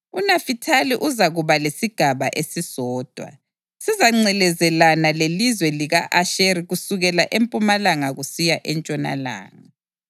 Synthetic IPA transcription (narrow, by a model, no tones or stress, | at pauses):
unafitʰaliʔuzaɣuβalesiɡ̥ʱaβaʔesisɔːd̥ʱwa̰ | sizaŋ͡ǀɛlɛzɛlanalelizwɛliɣaʔaʃeɾiɣusuɣɛlaʔempʼumalaŋaɣusijaʔɛnt͡ʃʼɔna̰la̰ːŋa